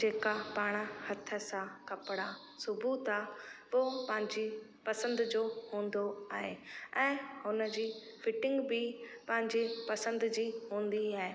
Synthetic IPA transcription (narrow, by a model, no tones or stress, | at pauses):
d͡ʑeːkapaːɽ̃hɐt̪ʰə̆sãkɐpɽa | sʊbuːt̪aːʋopɐ̃ɦɪ̃ɲd͡ʑe | pɐsə̃nd̪d͡ʑoːhũːn̆d̪oaːɦeɛ̃ːhʊnəd͡ʑiː | fɪʈɪ̃ŋɡbɪpɐ̃ɦɪ̃ɲd͡ʑipɐsə̃nd̪d͡ʑiːɦũːn̆d̪iaːɦeː